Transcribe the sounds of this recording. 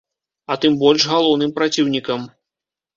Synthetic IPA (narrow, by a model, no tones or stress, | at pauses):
ɐt̪ɨmbɔlʲʂɣalˠɔwnɨmpɾat͡sʲiwnʲikɐm